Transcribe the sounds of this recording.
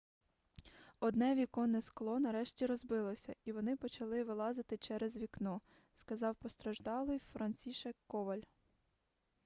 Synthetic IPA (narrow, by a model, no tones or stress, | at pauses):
ɔd̪nɛʋʲikɔnɪsklˠɔnɐɾɛʃtʲiɾɔzbɪlˠɔsʲɐiʋɔnɪpɔt͡ʃɐlˠɪʋɪlˠɑzɪt̪ɪt͡ʃɛɾɛzʋʲiknɔ | skɐzɑwpɔst̪ɾɐʒd̪ɑlˠɪjfɾɐnʲt͡sʲiʃɛkːɔʋɐlʲ